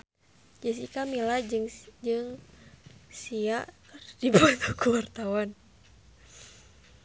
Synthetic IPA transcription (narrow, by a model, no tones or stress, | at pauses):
d͡ʒəs̬ikamilaŋd͡ʒɨŋ | siaʔdibawat̪akuwart̪awan